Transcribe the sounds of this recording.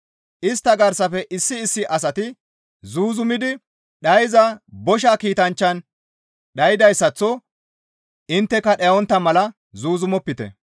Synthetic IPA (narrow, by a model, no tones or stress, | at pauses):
ʔɪst̪ːɐɡɐɾsɐfɛʔɪsːɪːsːɪʔɐs̬ɐt̪ɪ | zuːzʊmɪd̪ɪ | ɗɐjzɐbɔʃakiːt̪ɐnt͡ʃːɐn | ɗɐjɪd̪ɐjsːɐt͡sːɔ | ɪnt̪ːɛkːɐɗɛjɐwɔnt̪ːɐmɐlɐ | zuːzʊmɔpːɪt̪ɛ̰